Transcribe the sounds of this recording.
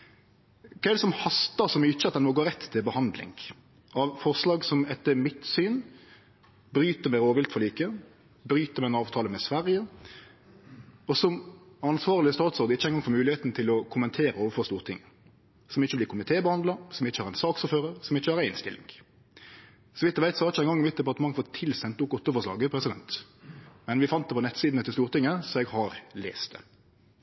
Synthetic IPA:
kʰæɪlsɔmhɑst̪ɑʁsɔmɪt͡ʃːəɑt̪d̪ɛnoːɡoːɾɛt̪ːt̪ʰːɪlbəhɑnd̪lɪ̰ŋ | ʔɑʋfɔʁslɑːɡsɔmɛt̪ːəmɪt̪syːn | bɾyːt̪əmɛɪɾoːʋɪlt̪fɔʁliːkə | bɾyːt̪əɾmɛɪnɑːʋt̪ʰɑːləmɛsʋæʁjə | ɔsɔm | ɑnsʋɑːʁlɪəst̪ɑːt̪sɔːɾd̪əɪçːəɛɪŋɡɑŋfɔʁmʉːlɪheːt̪n̩t̪ʰɪlɔkʰʊmənt̪ʰeːɾəoːʋəɾfɔɾst̪uːʁt̪ʰɪŋːə | sɔmɪçːəblɪkʰʊmɪt̪ʰeːbəhɑnd̪lɑsɔmɪçːəhɑɾæɪnsɑːksɔføːɾəɾsɔmɪçːəhɑɾæɪnst̪ɪ̰lːɪ̰ŋ | sɔʋɪt̪ːəʋæɪsɔhɑɾʁɪçəɛɪŋɡɑŋːmʋɪt̪̚d̪ɛpɑʁt̪əmɑŋːfɔt̪ʰɪlsɛnt̪əʊkɔt̪ːəfɔʂɭɑ̰ːɡəpʰɾɛsɪd̪ɛnt̪ | mɛnʋɪfɑnt̪d̪ɛpɔnɛt̪siːd̪n̩ɛt̪ːɪst̪uːʁt̪ɪŋːəsɔɛɡhɑɾlḛːst̪ə̰

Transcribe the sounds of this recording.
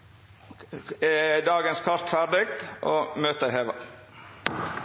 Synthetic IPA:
eːd̪ɑːɡənskʰɑst̪fæɾɖɪkt̪ʔoːmøːt̪əheːʋɑ̰

